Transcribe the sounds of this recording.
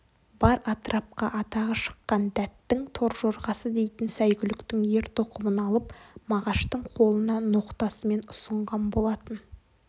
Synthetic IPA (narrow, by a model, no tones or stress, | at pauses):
b̥ɑɾɑt̪ɾɑp̚qɑʔɑt̪ɑʁəʃə̥qːɑnd̪æt̪ːɪŋt̪ʰo̞ɾʒoɾʁɑsəd̪e̞jt̪ɪnsæjɡʲɪlɪkt̪ɪŋje̞ɾt̪oqʰəmənɑlˠəpmɑʁɑʃt̪əɴqʰo̞lˠənɑno̞qt̪ɑsəme̞nʊ̥səɴʁɑnbo̞lˠɑt̪ən